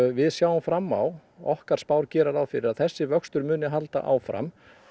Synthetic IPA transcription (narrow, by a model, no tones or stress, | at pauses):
vɪðsjaːwʏmfɾamːa̰wɔhkaɾ̥spaːwɾcɛːɾaɾawfɪɾɪɾaðθɛsːɪvœkst̪ʏɾmʏːnɪɦalt̪a̰ʔa̰wfɾa̰m